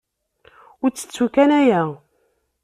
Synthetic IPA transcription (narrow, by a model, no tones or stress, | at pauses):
ʊɾt͡sːə̥t͡sːukænæjæ